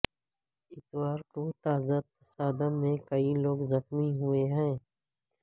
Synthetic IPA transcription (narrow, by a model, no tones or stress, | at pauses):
ɪt̪waːɾkot̪aːzat̪̚fɐsaːd̪əmẽkɐiloːɡzɐxmiɦʊeɦɛ̃ː